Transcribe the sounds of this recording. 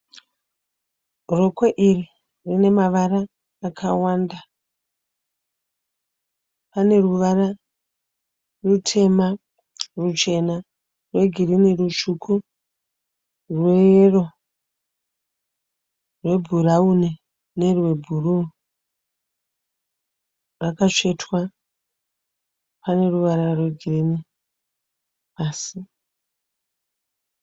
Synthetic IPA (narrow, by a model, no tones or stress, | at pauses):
rokweʔiri | rine̞maʋaraː | kʰawanda | pane̞ruʋara | rutʰe̞ma | rut͡ʃe̞na | rwe̞ɡʱirinirut͡ʃuku | rwero̞ | rwe̞bʱuɾaune | ne̞rwe̞bʱuru | rakat͡ʂe̞twa | pane̞ruʋaɾarwe̞ɡʱirini | paːsi